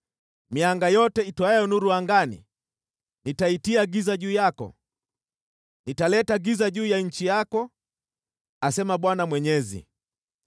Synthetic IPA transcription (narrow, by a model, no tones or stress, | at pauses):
miaŋɡajɔtɛitɔajɔnuɾuaŋɡanḭ | nitaitiaɡizaʄuːjakɔ̰ | nitalɛtaɡizaʄuːjaɲ̩t͡ʃijakɔ | asɛmaɓwanamwɛɲɛzḭ